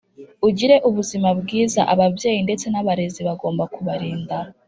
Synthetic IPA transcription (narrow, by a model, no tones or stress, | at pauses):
uɟiɾe̞ʔuβuzimabɡiːza̰ʔaβavje̞ːjinde̞t͡se̞naβaɾe̞ziβaɡo̞ːmbakuβaɾiːnda